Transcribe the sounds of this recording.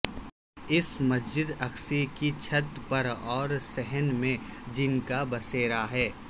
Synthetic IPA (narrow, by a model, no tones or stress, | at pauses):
ɪsmɐsd͡ʒɪd̪ɐxsikit͡ʃʰɐt̪pɐɾɔːɾsɛɦənmẽd͡ʒɪnkabɐseːɾaɦɛː